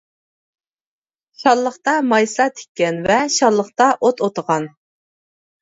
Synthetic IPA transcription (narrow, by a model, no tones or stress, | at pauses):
ʃɑlˠːəχt̪ɑmɑjsɑt̪ʰe̥kʲːɛnvɛʃɑlˠːəχt̪ɑʔot̪ʰot̪əʁɑn